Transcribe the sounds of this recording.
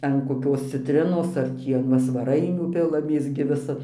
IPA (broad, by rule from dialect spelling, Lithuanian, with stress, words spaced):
ɐn koːˈkʲoːs t͡sʲɪtʲˈrʲɪnoːs ɐr ˈtʲiː ɐn ˈʋɐ sʋɐˈrɐɪnʲuː ˈpʲɪlˠɐmʲeːs ɡʲɪ ˈʋʲɪsɐ